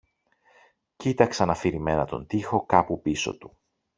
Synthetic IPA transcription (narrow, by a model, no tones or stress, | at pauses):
cit̪ɐksɐnɐfiɾime̞nɐt̪o̞nt̪ixo̞kɐpupiso̞̰t̪u̥